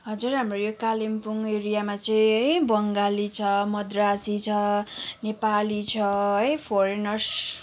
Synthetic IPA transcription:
ɦʌd͡zurɦamrojokalimpuŋeɾijamat͡sʌĩʌjbʌŋɡalit͡sʰʌmʌd̪rasit͡sʰʌnepalit͡sʰʌʌjpʰoɾenʌrs

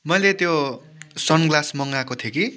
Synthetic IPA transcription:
mʌjlet̪jo | sʌnɡlasmʌŋɡakot̪ʰjeki

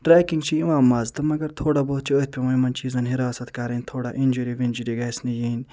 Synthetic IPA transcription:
ʈɾaːkiŋɡt͡ʃʰiiʋaːmːaːzt̪ɐmɐɡɐɾt̪ʰoːɽɐboːt͡ʃʰiot̪̚ʲpʲimɐimɐnt͡ʃiːzɐnɦiɾaːsɐt̪kaːɾɐnʲt̪ʰoːɽaʔinʲd͡ʒuɾiʋinʲd͡ʒiɾiɡaːsnijeːnʲ

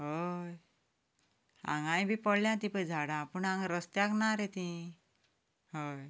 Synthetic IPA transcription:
ɦoj | ã̰ŋɡãjbʱipəɽljãt̪ipəd͡zʱaɽãpuɳãŋɡɾəst̪jaknaɾet̪ĩ | ɦəj

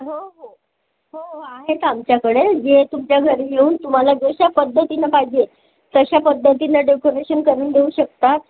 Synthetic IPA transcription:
ɦoɦo | ɦooaɦet̪amt͡ɕjakəɽed͡zet̪umt͡ɕjaɡʱəɾijeuːnt̪um̤alad͡zəɕapəd̪ʱːət̪inapajd͡ʑe | t̪əɕapəd̪ʱjət̪̬inaɖekoɾeɕənkəɾuːɳd̪euːɕək̚t̪at̪̚

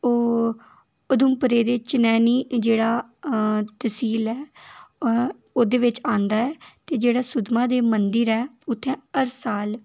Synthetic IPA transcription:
oː | ʊd̪ʊmpəɾeːd̪eːt͡ʃənɛːniːd͡ʒeːɽaː | t̪əsiːlɛː | oːd̪eːʋɪt͡ʃãːnd̪aːɛːt̪eːd͡ʒeːɽaːsʊd̪mãːd̪eːmənd̪əɾɛːʊt̪ʰːɛ̃ːəɾsaːl

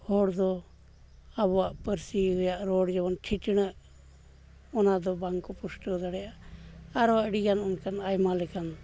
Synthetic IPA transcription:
hɔɽd̪ɔ | abwaʔpəɾsiɡɔjaʔɾɔɽd͡ʒɛbɔnʈʰiʈiɽ̃əʔ | ɔnad̪ɔbaŋkɔpusʈəd̪aɽɛjaʔaɾwaʔɽiɡanunkanajmalɛkan

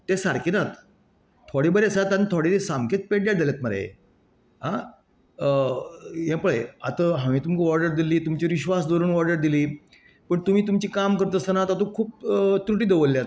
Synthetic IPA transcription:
t̪esaɾkiːnat̪ | t̪ʰoɽebəɾesat̪anit̪ʰoɽit̪esamkʰet͡speʈ̚d̪jaʈd͡zʱaljat̪məɾa̰jḛ | ɦa | jɛ̃pəɭəjat̪əɦãʋ̃ĩːt̪umkiʋɔɾɖəɾd̪iliːt̪umt͡ɕiʋiɕʋasd̪oɾəɳʋɔɾɖəɾd̪iliː | pəɳt̪um̤iːt̪̬umt͡ɕiːkamkəɾt̪əsanat̪at̪ũkʰuːp̚t̪ɾuʈiːd̪eʋəlːjat̪

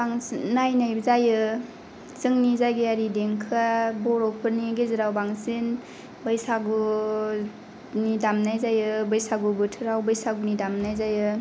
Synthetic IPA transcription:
baŋnajnajbzajɯ | zɯŋnizajɡeaɾideŋkʰabɔɾɔk̚pʰɯɾniɡeziɾawbaŋsen | bɯjsaɡu | nidamnajzajɯbɯjsaɡubɯtʰɯɾawbɯjsaɡunidamnajzajɯ

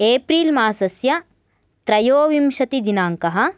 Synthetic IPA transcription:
eːpɾiːlmaːsɐsjɐ | t̪ɾɐjoːʋimʃɐt̪id̪inaːŋkɐɦɐ̆

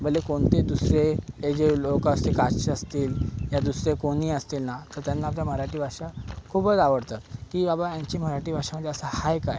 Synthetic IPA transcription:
bʱəlːekoɳt̪ed̪usɾeed͡ʑelokəst̪ekaɕəst̪iːljad̪usɾekoɽ̃iːəst̪iːlnat̪əɾt̪janːaːpljam̤əɾaʈiːbʱaʂakʰupət͡saʋəɽt̪at̪kiːbabajãɲt͡ɕiːm̤əɾaʈiːbʱaʂaməd̪ːeəsəhajka̰j

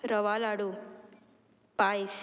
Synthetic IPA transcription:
ɾʌʋalaɽu | pajs

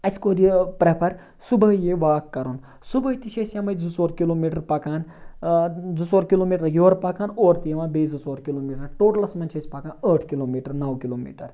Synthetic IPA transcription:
ɐskoːɾipɾepʰɐɾ | subɐjeʋaːkːɐɾun | subʱɐt̪iʃʰesjamɐjd͡zut͡soːɾkiloːmiʈɐɾpɐkaːn | d͡zut͡soːɾkiloːmiʈɐɾjoːɾpɐkaːnoːɾt̪ijʋaːnbiːd͡zut͡soːɾkiloːmiːʈɐɾʈoːʈlɐsmɐnt͡ʃʰɐsʲpɐkaːnəːʈʰkiloːmiːʈɐɾnɐwkiloːmḭːʈɐɾ

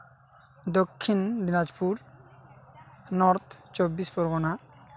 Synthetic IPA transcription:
d̪okʰːindinad͡ʑpuɾ | nɔɾt̪ʰt͡ʃobːispɔɾɡɔna

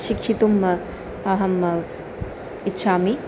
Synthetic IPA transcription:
ʃikʂit̪umɐ | ɐɦɐm | itːʃʰaːmi

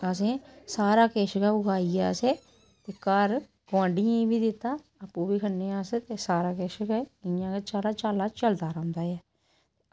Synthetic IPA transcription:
əs̬ẽːsaːɾaːkeːʃkɛːʊɡaːiːa̰ːseː | t̪eːkəɾ | ɡãːɳɖɪjãːibiːd̪ɪt̪ːaː | əpːũːbiːkʰənːeːaːseːt̪eːsaːɾaːkeːʃəkɛɪjãːkeːt͡ʃaːlaːt͡ʃaːlaːt͡ʃəld̪aːɾãːnd̪aːɛː

